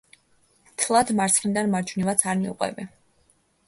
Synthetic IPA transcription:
t̪ʰlˠad̪maɾt̪sʰχnid̪anmaɾd͡ʒʰvnivat̪sʰaɾmiṵqʼwɛ̰bɛ

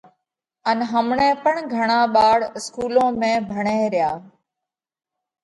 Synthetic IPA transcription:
ənɦəmɳẽːpəɳɡʱəɳaːɓaːɽɪskuːlõːmẽːbʱəɳeːɾɪjaː

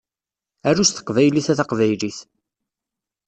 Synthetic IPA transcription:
ærːust̪ə̥qvæjliθæθaqvæjliθ

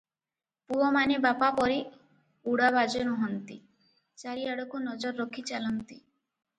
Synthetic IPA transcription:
puɔmanebapapɔɾi | uɽabad͡ʒɔnuɦɔnt̪i | t͡ʃaɾiaɽɔkunɔd͡ʒɔɾɔːɔkʰit͡ʃalɔnt̪i

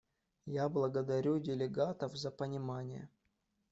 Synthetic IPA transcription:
jablˠəɡəd̪ɐɾʲudʲɪlʲɪɡat̪əfzəpənʲɪmanʲɪjə̰

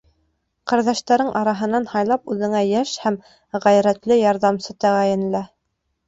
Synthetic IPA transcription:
qɑɾðæʃt̪æɾɤɴʔɑɾɑɦɤ̆nɑnhɑjlˠɑpʉðɘ̆ŋæjæʃhæm | ʁæjɾæt̪lɘjɑɾðɑmsɤt̪æʁæjɘ̆n̆læ

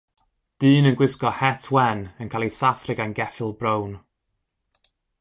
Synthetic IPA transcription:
d̥iːnənɡwɪskɔhɛtʰwɛnənkʰalˠisaθrɪɡanɡɛfɪlˠbrown

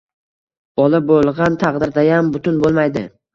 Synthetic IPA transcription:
b̥ɒlˠɪbolˠʁɑnt̪ʰɑqd̪ɪɾd̪ajambʊt̪ʰʊnbolˠmajd̪ɪ̰

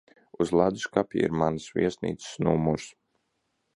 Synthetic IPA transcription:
uzlˠad̪u̥skapʲḭḭɾmanəsvḭɛsnḭːt̪sə̥snumuɾs

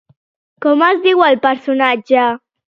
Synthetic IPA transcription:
kɔmazd̪iwalpəɾsunad͡ʒa

